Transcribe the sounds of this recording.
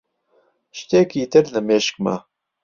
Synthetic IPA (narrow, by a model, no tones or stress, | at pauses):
ʃt̪eːkiːt̪ɨɾnəmeːʃk̚ma̰